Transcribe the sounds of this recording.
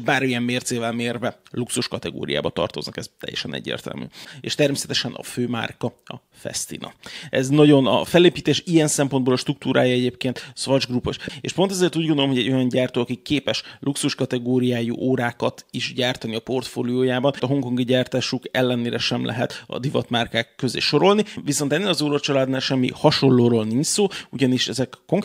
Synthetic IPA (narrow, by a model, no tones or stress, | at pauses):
baːɾmijɛmːeːrt̪seːvɛlmeːrvɛluksuʃkɒt̪ɛɡo̰ːɾḭja̰ːbɒt̪ɒ̰rt̪o̞̰znɒkɛz̥t̪ɛ̰jːɛ̰ʃɛnʔɛ̰ɟːḛːrt̪ɛ̰lmy̰ːeːʃt̪ɛrmeːsɛt̪ɛʃɛnʔɒ̰føːma̰ːrkɒ | ɒ̰ | fɛ̰st̪ḭnɒ̰ʔɛznɒɟo̞nɒ̰fɛleːpiːt̪eːʃijɛnsɛmpond̪boːlɒʃt̪ruk̚t̪uːɾʔa̰ːjɒɛɟeːpkeːnt̪sʋɒʒɡrupoʃḛːʃpo̞nt̪ɛzeːrt̪uːɟɡond̪olomɦoɟɛɟːo̞jɒɲɟaːrt̪oːɒkikːeːpɛʃluksuʃkɒt̪ɛɡoːɾijaːjṵʔoːɾaːkɒt̪iʃɟaːrt̪ɒniɒpo̞rt̪fo̰ːlioːjaːbɒnt̪ɒɦo̞ŋko̞ŋɡiɟaːrt̪aːʃukɛlːɛneːɾɛʃɛmlʔɛ̰ɦɛt̪ɒ̰d̪ivɒ̰t̪maːrkaːkːø̞zḛːʃo̞ɾo̞lniʋiso̞nt̪ɛnːeːlɒzoːɾot͡ʃɒlaːd̪naːlʃɛmːḭhɒʃo̞nloːɾoːlniɲt͡ʃsoːuɟɒniʃɛzɛkːo̞ŋk